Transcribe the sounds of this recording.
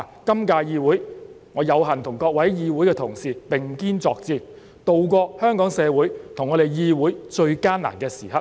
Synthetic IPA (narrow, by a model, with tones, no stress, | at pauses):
kɐ˥mkaː˧jiː˧wuː˨˥j | ŋɔː˨˧jɐ˨˧wɦɐ˨˩nt̪ʰʊ˨˩ŋkɔː˧k̚wɐ˨˥jjiː˧wu˨˥jkɛː˧t̪ʰʊ˨˩ŋsiː˨˩pɪ˨ŋkiː˥nt͡sɔː˧k̚t͡siː˧ | t̪o˨wkʷɔː˧hœː˥ŋkɔː˨˥ŋsɛː˨˧wuː˨˥jt̪ʰʊ˨˩ŋːɔː˨˧ɾe˨jjiː˧wuː˨˥jt͡ʃɵ˧ɥkaː˥na̰ː˨˩nkɛː˧siː˨˩hɐ˨t̚